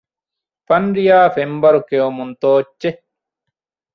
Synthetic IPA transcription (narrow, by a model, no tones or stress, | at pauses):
fɐnɾijaːfembɐɾukeomunt̪oːt͡ʃːt͡ʃe